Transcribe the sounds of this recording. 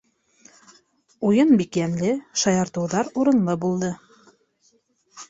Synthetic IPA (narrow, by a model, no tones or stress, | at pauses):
ujɤnbikjænlɘʃɑjɑɾt̪ɤ̆wðɑɾuɾɤ̆nlˠɤbulˠd̪ɤ